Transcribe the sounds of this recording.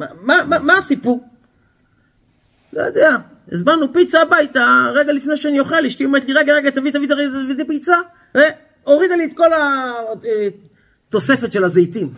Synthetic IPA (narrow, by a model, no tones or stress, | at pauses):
mamamamaːsipuʁ | lo̰jod̪ea | ezbanupit͡saːbajt̪aʁeɡalifnejʃeanijoχeliʃtiomet̪liʁeɡaʁeɡat̪avit̪avit̪aʁeɡatavit̪ipit͡sa | ve | o̞ʁid̪aliet̪̚ko̞la | t̪o̞se̞fe̞t̪ʃe̞lazejt̪im